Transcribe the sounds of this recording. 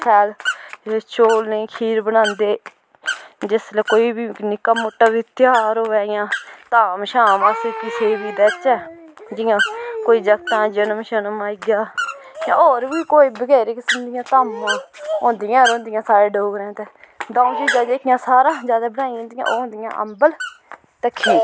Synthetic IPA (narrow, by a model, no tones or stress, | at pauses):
kʰɛːl | ʃoːlnəiːkʰiːɾbənãːnd̪eː | d͡ʒɪsleːkoːiːbiːnɪkːəmːʊʈːaːʋɪt̪ɪaːɾoːʋɛːjãːt̪aːmʃaːməsikɪsʰeːbiːd̪ɛːt͡ʃɛː | d͡ʒɪjãːkoːiːd͡ʒəkt̪ãːd͡ʒənəmʃənmaːɪɡjaː | jã̰ːoːɾʋiːkoːiːbəɡɛːɾiːkɪsəmd̪ɪjãːt̪aːmːãːõːnd̪ɪjãːɾõːnd̪ɪjãːsaːɾeːɖoːɡɾɛ̃ːt̪eːd̪ãːt͡ʃiːd͡ʒãːd͡ʒkjãːsaːɾãːd͡ʒjaːd̪aːbənaːijɦõːnd̪ɪjã̰ʔoːɦõːnd̪ɪjã̰ːʔə̰mbəl | t̪əkʰːĩː